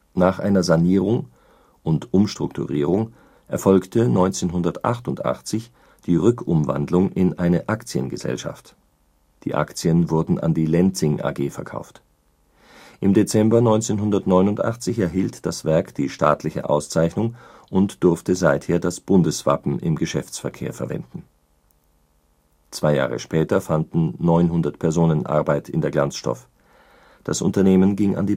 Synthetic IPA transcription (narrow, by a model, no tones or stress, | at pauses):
naːχʔa̰ɪnɐzaniːʁʊŋ | ʔʊntʔʊmʃtʁ̥ʊktʰṵʁḭːʁ̞ʊŋ | ʔɛɐfɔlktʰənɔʏnt͡seːnɦʊndɐtʔa̰χtʊntʔa̰χt͡sɪç | d̥iːʁʏkʊmva̰ndlʊŋʔɪnʔaɪnəʔakt͡siə̰nɡəzɛ̰lʃa̰ft | d̥ḭːʔa̰kt͡siənvʊɐdn̩a̰ndiːlɛnt͡sɪŋʔa̰ːɡeːfɛɐkʰa̰ʊft | ʔɪmdet͡sɛmbɐnɔʏnt͡seːnɦʊndɐtnɔʏnʊntʔa̰χt͡sɪçɛɐɦiːltd̥asv̥ɛɐkd̥iːʃta̰ːtʰlɪçə̰ʔa̰ʊst͡saɪçnʊŋʔʊntd̥ʊɐftəzaɪtheːɐdasb̥ʊndəsv̥a̰pm̩ʔɪ̰mɡəʃɛft͡sfɛɐkʰḛːɐfɛɐvɛ̰ndn̩ | t͡sv̥aɪja̰ːʁə̰ʃpɛːtɐfandn̩nɔʏnɦʊndɐtpʰɛɐzoːnənʔa̰ɐbaɪtʰɪ̰ndeːɐɡlant͡sʃtɔ̰f | d̥a̰sʔʊ̰ntɐneːmənɡɪŋa̰ndiː